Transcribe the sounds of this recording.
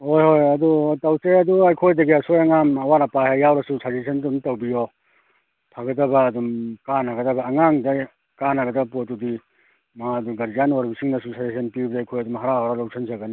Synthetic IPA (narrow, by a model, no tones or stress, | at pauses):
hojhojɐdutɐwseɐduɐjkʰojdɐɡiɐsojɐŋamɐwaɾɐpahejawɾɐsusazesʰɐntonitɐwbijɔ | pʰaɡɐtɐbɐːdumkanaɡɐdɐbɐːŋaŋda | kanaɡɐdɐpotudi | maɐduɡɐɾzanaɾbisiŋnɐsusʰazesʰenpibdaːjkʰojɐdumɦaɾaɡaɾɔlawsʰɐnzɐɡɐni